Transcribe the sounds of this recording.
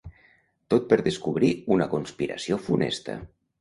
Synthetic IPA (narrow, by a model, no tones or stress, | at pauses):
t̪ot̪̚pəɾðəskuβɾiunəkunspiɾə̰siofunḛst̪ə̰